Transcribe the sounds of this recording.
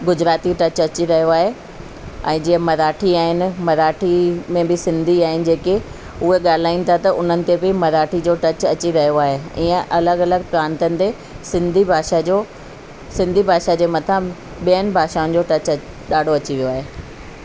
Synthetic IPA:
ɡʊd͡ʑɾaːt̪iʈɐt͡ɕɐt͡ɕiɾɐɦijoaːɦe | ɛ̃ːd͡ʑiːə̃mɐɾaːʈʰiaːɦɪnɪ̆mɐɾaːʈʰimẽbɪsɪ̃nd̪ʱiaːɦɪnɪ̆d͡ʑeːke | ʊɦeɠaːl̤aːĩn̆t̪ʰat̪ɐʔʊn̤ənɪ̆t̪ebʱɪmɐɾaːʈʰid͡ʑoʈɐt͡ɕɐt͡ɕiɾɐɦijoaːɦeiːə̃ʔɐləɡɐləɡ̚pɾãːnt̪ənɪ̆t̪e | sɪ̃nd̪ʱibʱaːʃad͡ʑo | sɪ̃nd̪ʱibʱaːʃad͡ʑeːmɐt̪ʰã | ɓijənɪ̆bʱaːʃaːʊ̃nɪ̆d͡ʑoʈɐt͡ɕ | ɗaːɖʱoɐt͡ɕiʋijoaːɦeː

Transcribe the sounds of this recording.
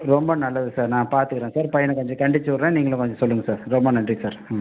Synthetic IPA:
ɾɔmbɐnɐlːɐðɯsaːɾnãːpaːɾt̪ɯkːɪɾẽːsaːɾpɐjɐnɐkɔɲd͡ʒɐ̃kɐɳɖɪt͡ʃːɯɐɾẽːniːŋɡɐlɐ̃kɔɲd͡ʒɔ̃sɔlːɯŋɡɐsaːɾɾɔmbɐnɐɳdrisaːɾ

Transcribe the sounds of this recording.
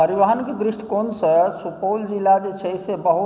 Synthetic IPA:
pəɾiʋaɦənkid̪ɾɪʃʈʰkonsəsupoːld͡ʒilːad͡ʒet͡ʃʰəisebəɦu

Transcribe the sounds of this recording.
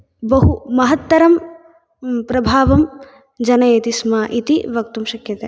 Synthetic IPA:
bɐɦumɐɦɐt̪ːɐɾɐm | pɾɐbʱaːʋɐm | d͡ʒɐnɐjet̪ismaːʔit̪iʋɐk̚t̪umʃɐkjɐt̪eː

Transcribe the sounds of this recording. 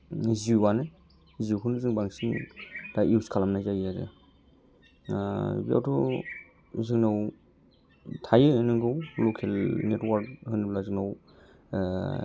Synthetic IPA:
ziane | ziuwkʰɯnɯzɯŋbaŋsindaʔiwskʰalamnajzaijaɾḛ | bia̰wtʰɔ | zɯŋnaw | tʰajɯɯnɯŋɡɯwlɔkʰelnetwaɾkhɯnɯblazɯŋnaw

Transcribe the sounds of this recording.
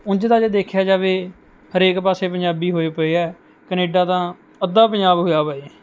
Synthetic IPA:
ʊ̃nd͡ʒd̪aːd͡ʒeːd̪eːkʰjaːd͡ʒaːʋeː | həɾeːkpaːseːpəɲd͡ʒaːbiːɦoːeːpəeːɛː | kəneːɖãːt̪ãː | əd̪aːpəɲd͡ʒaːbɦoːjaːpəe

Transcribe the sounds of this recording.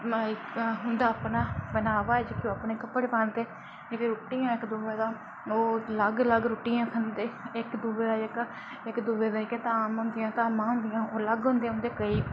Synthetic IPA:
ɦʊnd̪aːpnaːbənaːʋaːɛːd͡ʒɪkjõːapneːkəpːəɽpãːnd̪eː | d͡ʒekeɾuːʈːijãːɪkd̪uːʋeːd̪aː | oːləɡləɡɾuːʈijãːkʰənd̪eːɪkd̪uːbeːd̪aːɪkː | ɪkd̪uːʋeːd̪aːket̪ãaːmɦʊ̃nd̪ɪjãːt̪ãːmãːɦʊ̃nd̪ɪjãːoːləɡɦʊ̃ːnd̪eːɦʊ̃nd̪eːkəiː

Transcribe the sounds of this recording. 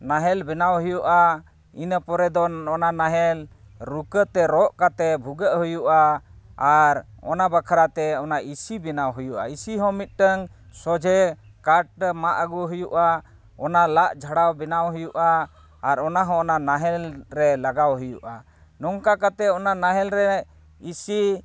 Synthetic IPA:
naɦɛlbɛnawɦujuʔa | inəpɔɾɛd̪ɔɔnanaɦɛl | ɾukət̪ɛɾɔʔkat̪ɛbʱuɡəʔɦujuʔaaɾɔ̰nabakʰaɾat̪ɛɔnaʔisibɛnawɦujuʔa̰isiɦɔ̃mit̪̚ˀʈəŋ | sɔd͡ʒʱɛkaʈ̚maʔəɡuɦujuʔa | ɔnalaʔd͡ʒʱaɽawbɛnawɦujuʔaː | ɾɔnaɦɔ̃ɔnanaɦɛlɾɛlaɡawɦujuʔa | nɔŋkakat̪ɛɔnanaɦɛlɾɛ | isi

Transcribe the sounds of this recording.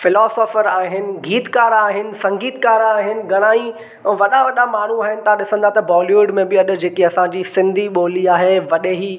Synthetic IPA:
fɪlɔːsɔːfəɾaːɦɪnɪ̆ɡiːt̪kaːɾaːɦɪnɪ̆sɐ̃ŋɡiːt̪kaːɾaːɦɪnɪ̆ɡɐɽ̃aːi | ʋɐɗaʋɐɗamaːɳ̤ũaːɦɪnɪ̆t̪ɐãɗɪsə̃nd̪at̪ɐbɔːliʋʊɖmẽbɪɐɗʊ̆d͡ʑeːkiɐsãɲd͡ʑisɪ̃nd̪ʱiɓoːliaːɦeʋɐɗeɦiː

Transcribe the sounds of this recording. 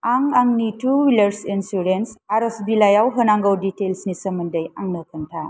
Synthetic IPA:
aŋaŋnitʰuwilɐɾsinsuɾensaɾɔsbilajawɦɯnaŋɡawditelsnisɐmundɐjaŋnɐkʰəntʰa

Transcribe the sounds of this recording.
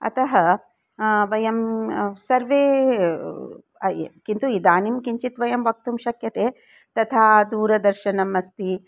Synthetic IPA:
ɐ̰t̪ɐɦɐ | ʋɐjɐmsɐɾʋeː | kint̪uid̪aːnimkiɲt͡ʃit̪ʋɐjɐmʋɐk̚t̪umʃɐkjɐt̪eː | t̪ɐt̪ʰaːd̪uːɾɐd̪ɐɾʃɐnɐmɐst̪i

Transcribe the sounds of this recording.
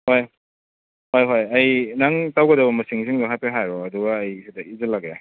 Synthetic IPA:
hoj | hojɦojɐjnaŋtawɡɐdɐbɐmɐsiŋsiŋdaɦapeɦajɾɔːduɡaːjsidɐizɯlaɡe

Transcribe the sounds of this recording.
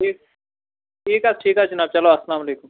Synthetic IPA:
iː | ʈiːkaːsʈʰiːkaːt͡ʃinaːb̚t͡ʃɐloːɐsɐlaːmɐleːkum

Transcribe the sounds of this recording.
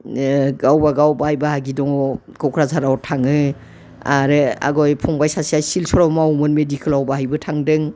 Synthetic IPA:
ɡawbaɡawbajbahaɡidɔŋ | kɔwkʰɾazʰaɾawtʰaŋɯ | aɾɯa̰ɡɔjpʰɔŋbajsasiajsilsɔɾamawmɯnmedikʰɯlawbaɦajbɯtʰaŋdɯŋ

